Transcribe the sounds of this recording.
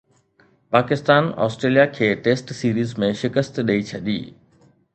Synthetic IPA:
paːkɪst̪aːnɔ̰ːsʈɾeːlijakʰeːʈeːsʈsiːɾiːzmẽʃɪkəst̪ɗɐit͡ɕʰɐɗḭː

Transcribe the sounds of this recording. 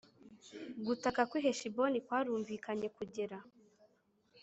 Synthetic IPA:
ɡutakakwiɦeʃibo̞nikwaːɾuːɱvikaɲe̞kuɟe̞ɾa

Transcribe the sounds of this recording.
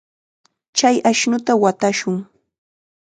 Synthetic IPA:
t͡ʃajaʃnʊt̪awat̪aʃʊŋ

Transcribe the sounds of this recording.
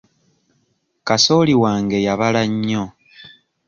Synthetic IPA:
kaso̞ːliwaːŋɡe̞jaβalaɲːo

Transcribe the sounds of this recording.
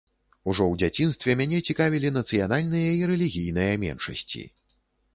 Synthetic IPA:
uʐɔwd͡zʲat͡sʲin̪st̪vʲɛmʲanʲɛt͡sʲikavʲilʲin̪ɐt̪sɨjanalʲnɨjɐiɾɛlʲiɣʲijn̪ɨjɐmʲɛ̰nʂɐ̰sʲt͡sʲḭ

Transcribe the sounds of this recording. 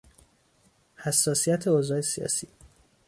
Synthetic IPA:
hæsːɒːsijæt̪ʰe̞ozɒːjesijɒ̰ːsiː

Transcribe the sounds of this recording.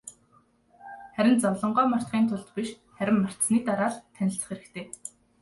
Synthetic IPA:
χæɾʲɪ̆nt͡sɔwɮɞ̆ɴɢɔːmar̥t̪χiːnt̪ʰʊɮt̪pʲiʃ | χæɾʲɪ̆mːar̥t̪sniːt̪aɾaːɮt̪ʰænʲɪ̆ɬt̪ə̆χeɾɘ̆kt̪ʰeː

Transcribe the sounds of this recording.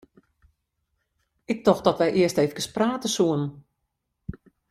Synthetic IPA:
ɪk̚tɔxdɔtʋɛjʔɪəstejfkəspraːtəsuən

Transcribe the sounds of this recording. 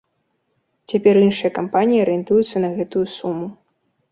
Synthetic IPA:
t͡sʲapʲɛrinʂɨjɐkampanʲijiɐɾɨjɛnt̪ujut̪sːɐnɐɣɛt̪ujusumːu

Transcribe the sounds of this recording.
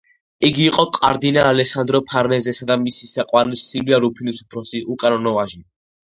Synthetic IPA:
iɡiːqʼɔkʼa̰ɾd̪inaːlɛsand̪ɾɔpʰaɾnɛzɛsad̪amisi̥saqʼwaɾɛlisiliaɾupʰinisu̥pʰɾɔsiʔukʼanɔnɔvaʒi

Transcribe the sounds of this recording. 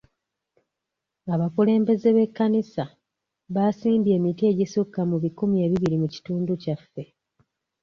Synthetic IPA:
aβakule̞ːmbe̞ze̞βe̞kːanisa | βasiːmbe̞ːmitie̞ːɟisukːamuβikumie̞ːβiβiɾimuci̥tuːnducafːe̞

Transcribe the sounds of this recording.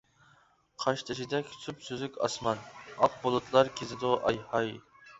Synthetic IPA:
qʰɑʃt̪ʰɨʃid̪ɛkʲʰy̥sʰypsøzykʲɑ̰smɑnɑq̚bolˠɨt̪ʰlˠɑɾkʲʰezɪd̪ʊʔɑjhɑj

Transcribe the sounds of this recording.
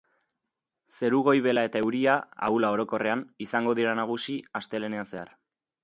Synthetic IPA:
se̞ɾuɣ̞o̞jβe̞lae̞t̪aewɾiaa̰ulao̞ɾo̞ko̞re̞anisaŋɡo̞ðiɾanaɣ̞usiast̪e̞le̞ne̞ase̞a̰r

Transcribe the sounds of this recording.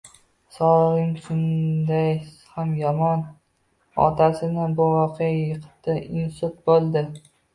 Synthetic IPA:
sɒɾɪŋʃʊnd̪aj | hamjɒmɒn | ɒ̰t̪ʰasɪnɪbʊʁɒqʰejajɨqʰt̪ɪɪnsʊt̪̚bolˠd̪ɪ

